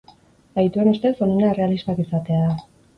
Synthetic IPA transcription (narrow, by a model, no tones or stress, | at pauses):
ajt̪ue̞nust̪e̞sonenaere̞aliztakisat̪e̞aða